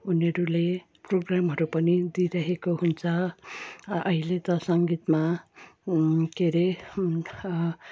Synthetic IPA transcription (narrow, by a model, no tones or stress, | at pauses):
unʌɾule | proɡramɦʌɾupʌnid̪iɾʌɦekoɦunt͡sʰʌ | ʌɦilet̪ʌsʌŋɡit̪ma | keɾe